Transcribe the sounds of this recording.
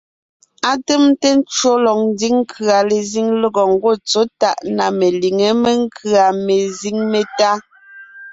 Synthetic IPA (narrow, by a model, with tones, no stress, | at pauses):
a˦te˦mte˦n̩˦t͡ʃɰo˦lɔ˨k̚n˦di˦ŋ˦kʰɰa˨le˨zi˦ŋlə˦ɡɔ˨ŋ̩˦˨ɡo˦˨t͡so˦ta˦ʔna˨me˨li˨ŋe˨˦me˦ŋ˦kʰa˨me˨zi˦ŋme˨ta˦